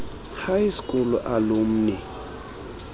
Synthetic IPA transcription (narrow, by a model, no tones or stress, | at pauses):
hajisi̥kʼɔlɔ̰ʔalom̩nɛ